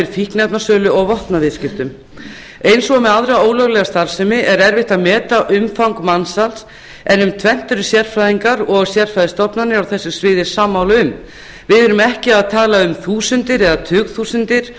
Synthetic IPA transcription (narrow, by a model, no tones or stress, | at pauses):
ɪɾfihknɛp̪nasœːlʏɔɣvɔht̪navɪð̥scɪft̪ʏm | ejnsɔmɛðaðɾaoːwlœɣlɛɣast̪aɾ̥sɛmɪʔɛɾɛɾvɪht̪aðmɛːt̪aʔʏmfawŋkmansals | ɛnːʏmt̪ʰvɛn̥t̪ʏɾʏsjɛr̥fɾajðiŋkaɾɔɣsjɛɾ̥fɾajðɪst̪ɔpnanɪawθɛsːʏsvɪːðɪ̥saːmːawlʏm | vɪðɛɾʏmɛhcɪaðt̪ʰaːlaʏmθuːsʏnt̪ɪɾɛðat̪ʰʏːɣθuːsʏnt̪ɪɾ̥